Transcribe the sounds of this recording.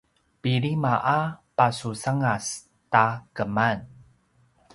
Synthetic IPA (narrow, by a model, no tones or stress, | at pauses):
piɾimaʔapasusaŋas | takəman